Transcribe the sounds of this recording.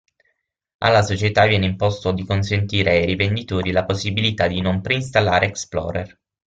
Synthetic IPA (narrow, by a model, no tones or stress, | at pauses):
a̰lːasot͡ʃet̪avjɛːneimpɔst̪od̪ikonsent̪iːɾeajɾivend̪it̪oːɾilaposːibilit̪ad̪inompɾeinst̪alːa̰ːɾeːksplɔ̰ːɾɛ̰r